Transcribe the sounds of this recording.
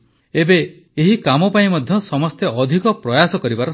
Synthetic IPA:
ebe | eɦikamɔpaĩmɔd̪ʱjɔsɔmɔst̪jeʔɔd̪ʱikɔpɾɔjasɔkɔɾibaɾɔ

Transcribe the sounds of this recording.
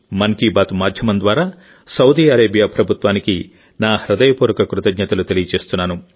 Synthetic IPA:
mɐŋkibaːt̪maːd̪ʱjɐmɐnd̪ʋaːɾaː | sɐwd̪iːɐɾeːbijaːpɾɐbʱut̪ʋaːniki | naːhɾɐd̪ɐjɐpuːɾɐkɐkɾut̪ɐɡɲɐt̪ɐlut̪e̞lijɐt͡ʃe̞ːst̪unːaːnu

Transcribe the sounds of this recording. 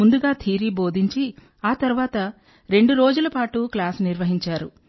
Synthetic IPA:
und̪uɡaːt̪ʰiːɾiːbo̞ːd̪ʱiɲt͡ʃi | aːt̪ɐɾuʋaːt̪ɐ | ɾe̞ɳɖuɾo̞ːd͡ʒulɐpaːʈuklaːsniɾʋɐɦiɲt͡ʃaːɾṵ

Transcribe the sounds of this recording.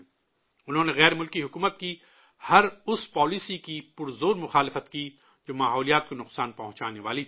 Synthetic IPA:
ʊnɦõːneɣɛːɾmʊlkiɦʊkuːmət̪̚ki | hɐɾʊspɔːlisikipʊɾzoːɾmʊxaːlɪfət̪ki | d͡ʒoːmaːɦɔːlijaːt̪̚konʊqsaːnpɐɦʊ̃t͡ʃaːneʋaːli

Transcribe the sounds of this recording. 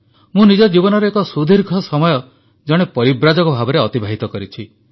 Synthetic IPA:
mũnid͡ʒɔd͡ʒibɔnɔɾeekɔsud̪ʱiɾɡʱɔsɔmɔjɔ | d͡ʒɔɽ̃epɔɾibɾad͡ʒɔkɔbʱabɔɾeɔt̪ibʱaɦit̪ɔkɔɾit͡ʃʰi

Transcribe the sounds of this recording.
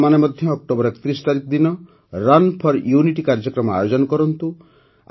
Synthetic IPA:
manemɔd̪ʱjɔːk̚ʈobɔɾɛkɔ̥t̪ɾist̪aɾikɔd̪inɔ | ɾanpʰɔɾjuniʈikaɾd͡ʒɔkɾɔmɔa̰jod͡ʒɔnɔkɔɾɔnt̪u

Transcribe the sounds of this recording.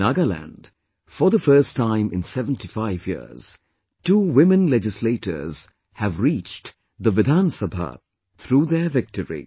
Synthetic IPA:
naɡəlæ̰̃nd | fɔ˞ðəfɜ˞stʰãɪ̃mɪ̰̃nsɛvə̃ntifaɪvjḭz̥ | tuːwɪmə̃nlɛd͡ʒɪsleɪtə̰˞z̥ | hævɾit͡ʃ | d̪əʋɪd̪ãnsəbʱa̰ | t̪ʰɾuːðəvɪk̚təɹḭ

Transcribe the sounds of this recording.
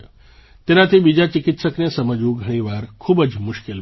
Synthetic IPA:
t̪enat̪ʰibid͡ʒat͡ʃɪkɪt̪səknesəməd͡ʒũɡʱəɽ̃iʋaɾkʰubəd͡ʒmʊʃkel

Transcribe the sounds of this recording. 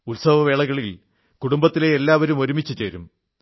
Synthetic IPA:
ulsɐʋɐʋe̞ːɭɐɣɐɭil | kuɽumbɐt̪ːile̞elːaːʋɐɾumo̞ɾumit͡ɕːut͡ɕeːɾṵm

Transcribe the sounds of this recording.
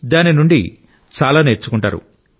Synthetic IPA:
d̪aːninuɳɖḭ | t͡ʃaːlaːneɾt͡ʃːukuɳʈa̰ːɾṵ

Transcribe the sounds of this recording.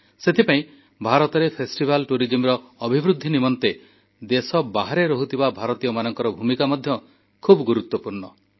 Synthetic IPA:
set̪ʰipaĩ | bʱaɾɔt̪ɔɾepʰesʈibalʈuɾid͡ʒimɾɔːbʱibɾud̪ʱːinimɔnt̪e | d̪esɔbaɦaɾeɾɔɦut̪ʰibabʱaɾɔt̪ijɔmanɔŋkɔɾɔbʱumikamɔd̪ʱjɔ | kʰubɔɡuɾut̪wɔpuɾɳɔ

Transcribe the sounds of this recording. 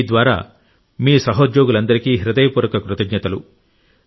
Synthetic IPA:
d̪ʋaːɾa̰ː | miːsɐɦod̪joːɡulɐnd̪ɐɾikiːɦiɾɐd̪ɐjɐpuːɾɐkɐkɾut̪ɐɡɲɐt̪ɐlṵ

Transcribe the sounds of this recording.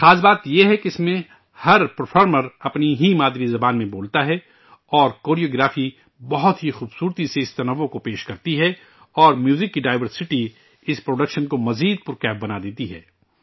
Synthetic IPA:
xaːzbaːt̪jeɦɛkeɪsmẽ | hɐɾpɐɾfʰɔːɾməɾɐpniɦimaːd̪ɾizɐbaːnmẽboːlt̪aɦɛ | ɔːɾkoːɾioːɡɾaːfi | bɐɦʊt̪ɦixuːbsuːɾt̪iseɪst̪ɐnɐʋːokopeːʃkɐɾt̪iɦɛ | ɔːɾmjuːzɪkːiɖaːɪʋəɾsɪʈi | ɪspɾoːɖɐkʃənkomɐziːd̪̚pʊɾkɛːp̚bɐnad̪eːt̪iɦɛ̰ː

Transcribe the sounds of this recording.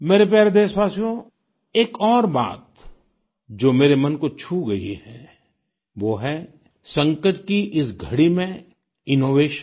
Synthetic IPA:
meːɾep̬jɛːɾed̪eːʃʋaːsijõ | eːkɔːɾba̰ːt̪ | d͡ʒoːmeːɾemɐnkot͡ʃʰuɡɐḭhɛ̃ | ʋoːɦɛ | sɐ̃ŋkəʈkiʔɪsɡʱɐɽimẽ | ɪnoːʋeːʃə

